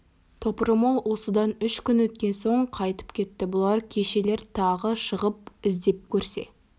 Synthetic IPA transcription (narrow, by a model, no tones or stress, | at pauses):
t̪ʰo̞pəɾəmɑlˠwʔo̞səd̪ɑnʏʃkʲʏnwɵt̪̚kʲe̞nso̞ɴqʰɑjt̪ə̥pkʲʰe̞t̪ːɪbʊlˠɑɾkʲʰe̞ʃe̞le̞ɾt̪ʰɑʁəʃəʁəp̚ɪzd̪e̞p̚kʲʰɵɾse̞̰